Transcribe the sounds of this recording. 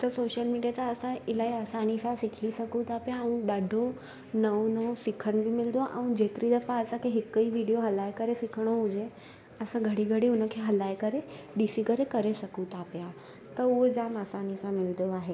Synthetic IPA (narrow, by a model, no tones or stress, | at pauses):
t̪ɐsoːʃəlmiːɖijat͡ɕãɐsãɪlaːiaːsaːnisãsɪkʰisɐkũt̪ʰaːpijaɛ̃ũɗaːɖʱo | nɐonɐosɪkʰəɽ̃bimɪld̪oaʔɛ̃ũd͡ʑeːt̪ɪɾid̪ɐpaːsãkʰeɦɪkːiʋiːɖijoɦɐlaːjkɐɾesɪkʰəɽ̃oɦʊ̃d͡ʑe | ɐsãɡʱɐɽiɡʱɐɽiʊnə̆kʰeɦɐlaːekɐɾe | ɖiːsikɐɾekɐɾesɐkʰũt̪ʰapija | t̪ɐuɦed͡ʑaːmaːsaːnisãmɪld̪oaːɦeː